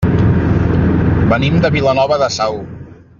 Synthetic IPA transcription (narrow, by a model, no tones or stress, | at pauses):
bənimd̪əβilənɔβəðəsaw